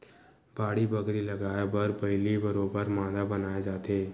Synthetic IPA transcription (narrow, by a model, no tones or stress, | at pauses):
b̥aːɽibəɡɾilɐɡaːebəɾbɐɦɪlibɐɾoːbəɾmãːd̪abɐnaːed͡ʒaːt̪eː